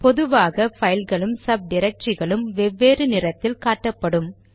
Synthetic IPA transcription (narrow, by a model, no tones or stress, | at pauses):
pɔðɯʋaːɣɐfɐjɪlɣɐɭɯmsɐb̚ɖɪɾɐk̚t͡ʃɪɣɐɭɯmʋɛʋːeːɾɯnɪrɐt̪ːɪlkaːʈːɐpːɐɽɯm